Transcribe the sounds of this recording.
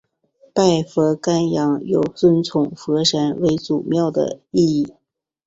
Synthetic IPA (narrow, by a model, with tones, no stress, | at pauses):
pa˥˩ɪfɤ˧˥ka˥njɑ˧˥ŋjo˨˩ʊswə˥nt͡sʰʊ˨˩ŋxɤ˧˥ʂa˧˥nwe˧˥ɪt͡su˨˩mjɑ˥˩ʊd̪ə̰˩i˥˧i˥˩